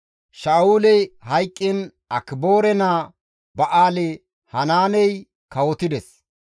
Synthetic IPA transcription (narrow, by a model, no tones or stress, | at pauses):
ʃaːuːlɛjhɐjkʼːɪn | ɐkɪboːɾɛnaː | bɐʔaːlɛ | hɐnaːnɛj | kɐwɔt̪ɪd̪ɛs